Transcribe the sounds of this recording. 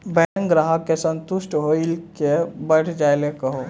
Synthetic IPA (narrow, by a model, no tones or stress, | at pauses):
bɛ̃ŋkɡɾaɦakesə̃nt̪ʊʃʈɦoilkebəɽ̤ʰd͡ʒaːelekɐɦo